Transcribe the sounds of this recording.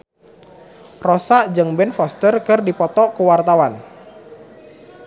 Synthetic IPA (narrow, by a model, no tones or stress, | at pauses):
rɔsaʔd͡ʒɨŋbɛnfɔst̪ərkɨrdipɔt̪ɔkuwart̪awan